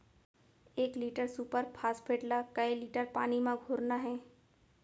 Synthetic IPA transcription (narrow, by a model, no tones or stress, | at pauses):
eːkliːʈəɾsuːpəɾpʰaːspʰeːʈlakɐeliːʈəɾpaːnimãɡʱoːɾnaɦɛː